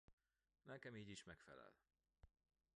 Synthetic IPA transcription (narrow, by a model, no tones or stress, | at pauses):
nɛkɛmiːɟiʃmɛkfɛlɛ̰l